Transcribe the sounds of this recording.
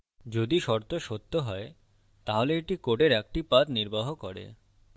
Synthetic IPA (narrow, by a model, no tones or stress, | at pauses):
d͡ʑod̪iʃɔɾt̪oʃot̪ːoɦɔe | t̪aɦoleeʈikoʈeɾɛk̚ʈipat̪niɾbaɦokɔɾḛ